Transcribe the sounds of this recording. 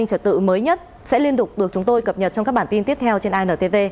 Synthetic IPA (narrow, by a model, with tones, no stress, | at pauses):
ŋt͡ɕə˧˩t̪̚ɨ̰˧˨məː˨˦jɲə˦˥t̚ | sɛ̰˧˥li˧ənt̪ʊ˨˩k͡p̚ɗɨ˨˩ək̚t͡ɕʊ˨˦ŋ͡mt̪o˧jkə˨˩p̚ɲə˨˩t̚t͡ɕɔ˧ŋ͡mkaː˦˥ɓaː˧˩t̪i˧nt̪i˦˥əp̚t̪ʰɛ˧wt͡ɕe˧nʔaː˧jnəː˨˩t̪e˧˩ve˧